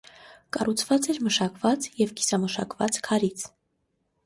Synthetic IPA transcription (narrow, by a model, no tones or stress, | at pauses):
kɑrut͡sʰvɑt͡sɛɾməʃɑkvɑt͡sjɛvki̥sɑməʃɑkvɑt͡skʰɑɾit͡sʰ